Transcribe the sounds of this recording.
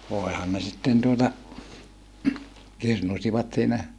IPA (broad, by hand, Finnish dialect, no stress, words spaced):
ʋoehɑn ne sitːen tuotɑ kirnusiʋɑt siːnæ